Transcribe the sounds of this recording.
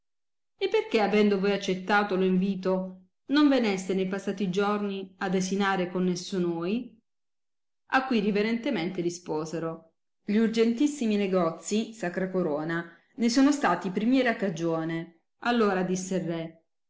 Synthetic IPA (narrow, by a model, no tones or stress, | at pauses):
epːerkeavɛnd̪ovoːjat͡ʃːet̪ːaːt̪oloiɱviːt̪o | noɱvenest̪enejpasːaːt̪id͡ʒorniad̪esinaːɾekonːesːunoːj | akːwiɾiveɾent̪ement̪eɾispoːzeɾo | ʎiurd͡ʒent̪isːimineɡɔt̪sːisakɾakoɾoːna | nesoːnost̪aːt̪ipɾimjɛːɾakːad͡ʒoːne | alːoːɾad̪isːerːɛ